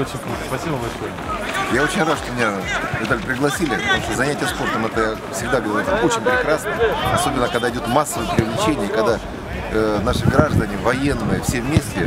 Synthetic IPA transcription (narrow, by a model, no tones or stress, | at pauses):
ot͡ɕɪnʲkut̪əspɐsʲibəbɐlʲʂojəjao̞t͡ɕɪnʲrat̪ʂt̪omʲɪnʲavʲɪt̪alʲpɾʲɪɡlˠɐsʲilʲɪpə̥t̪ɐmuʂt̪əzɐnʲætʲɪjəspo̞rt̪əmɛt̪əjafsʲɪɡ̚d̪aɡəvɐɾʲut̪amo̞t͡ɕɪnʲpɾʲɪkɾasnəɐso̞bʲɪnːəkɐɡd̪aɪdʲot̪masːəvəjəpɾʲɪvlʲɪt͡ɕenʲɪjəkɐɡd̪a | naʂɨɡɾaʐd̪ənʲɪvɐjenːɨjəfsʲevmʲesʲtʲɪ